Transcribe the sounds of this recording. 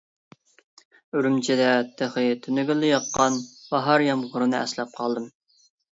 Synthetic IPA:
yɾymt͡ʃʰid̪ɛt̪ʰəχɨt̪ʰynyɡʲylːɪjɑqːɑnbɑɦɑɾjɑmʁʊɾɨnɨɛ̰slɛp̚qʰɑlˠd̪ɨm

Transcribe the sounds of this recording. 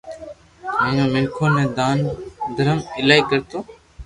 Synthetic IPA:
mẽːnõːmɪlkʰoːnẽːd̪aːnd̪ʱəɾəmɪlaːiːkəɾt̪oː

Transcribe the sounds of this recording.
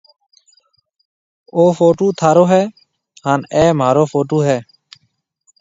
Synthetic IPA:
oːfoːʈuːt̪ʰaːɾoːɦɛː | haːnɛːm̤aːɾoːfoːʈoːɦɛː

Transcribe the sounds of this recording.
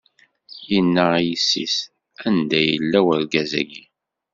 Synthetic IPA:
inːəjisːḭs | ænd̪æjəlːæwəɾɡæzæ̰ɡi

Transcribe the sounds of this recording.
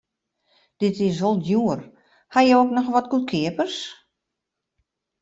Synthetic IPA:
d̥ɪtɪsʋolˠjuər | hajəoknɔxʋɔtkut̚kʰɪəpərs

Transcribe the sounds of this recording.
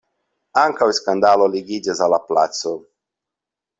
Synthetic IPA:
aŋkawiskand̪aloliɡid͡ʑɛzalapla̰t̪so

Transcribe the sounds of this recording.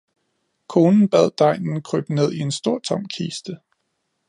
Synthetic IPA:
kʰo̝ːnn̩b̥æð̰ˠd̥ɑ̈ɪ̰nn̩kʰʁy̰b̥ne̝ð̞ˠie̝nsd̥o̝ɐ̰t͡sʰɒ̽m̰kʰiːsd̥ə

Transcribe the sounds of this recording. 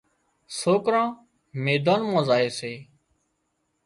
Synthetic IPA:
soːkɾãː | meːd̪ãːnmãːzaːeːseː

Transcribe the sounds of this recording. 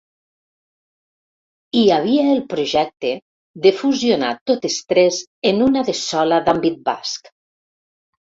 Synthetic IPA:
iaβ̞iaelˠpɾoʒɛk̚t̪e | ðefuziona̰t̪ːot̪est̪ɾezenunaðesɔlaðambit̪̚ba̰sk

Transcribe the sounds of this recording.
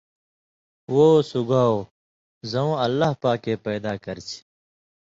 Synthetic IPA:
woːsuɡʱaːo | zɐũːɐlːaːɦpaːkeːpɛːd̪aːkəɾt͡ɕʰ

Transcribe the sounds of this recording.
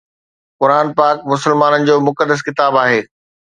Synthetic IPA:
kʊɾaːnpaːk̚mʊsəlmaːnənɪ̆d͡ʑoːmʊkəd̪ːəs̬kɪt̪aːbaːɦeː

